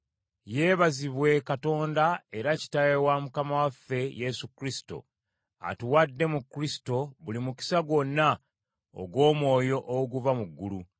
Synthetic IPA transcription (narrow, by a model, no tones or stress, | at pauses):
je̞ːβaziβwe̞kato̞ːndae̞ɾaci̥tajewamukamawafːe̞je̞sukɾisi̥to̞̰ | a̰tuwadːe̞mukːɾisi̥to̞βulimuki̥saɡo̞nːa | o̰ɡwo̞ːmwo̞ːjo̞ʔoɡuvamuɡːulu